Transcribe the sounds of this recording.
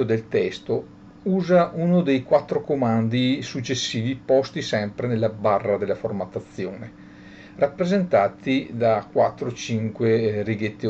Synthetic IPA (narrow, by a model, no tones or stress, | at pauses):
od̪elt̪ɛst̪o | uːzaʔunod̪ejkwat̪ːɾokomand̪isut͡ʃːesːiːvipɔst̪isɛmpɾenelːabarːad̪elːaformat̪at̪sːjoːne | rapːɾezent̪aːt̪id̪akwat̪ːɾot͡ʃiŋkweriɡet̪ːi